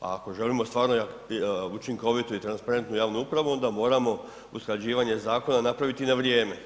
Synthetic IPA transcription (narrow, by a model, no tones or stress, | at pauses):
a̰ako̞ʒe̞limo̞st̪ʋaːɾnoja | ut͡ʃiŋko̞ʋit̪uit̪ɾanspaɾe̞nt̪nujaːʋnuupɾaʋuo̞nd̪amo̞ːɾamo̞ | usklad͡ʑiːʋaɲe̞zaːko̞nanapɾaʋit̪inaʋɾjeːme̞